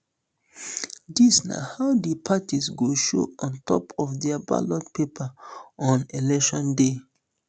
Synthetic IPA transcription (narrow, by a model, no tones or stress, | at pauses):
disna̰haʊdəpʰatisɡoʃo̰ɔ̃ntɔ̰pʰɔfdɛaba̰lɔd̚pepʰaɔ̃nelɛkʃɔ̃nde